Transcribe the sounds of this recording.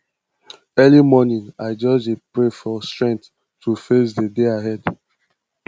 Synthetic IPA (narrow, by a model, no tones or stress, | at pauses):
ɛlimɔnĩŋaɪd͡ʒɔd͡ʒepɹefɔstɹɛ̃ŋkθ | tʰufesdədeaɦɛd